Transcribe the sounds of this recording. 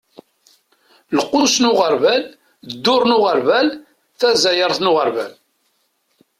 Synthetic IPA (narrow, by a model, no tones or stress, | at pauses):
lqːʊsnʊʁəɾvæl | d̪ːʊɾˤnʊʁəɾvæl | θæzæjəɾˤθnʊʁəɾvæ̰l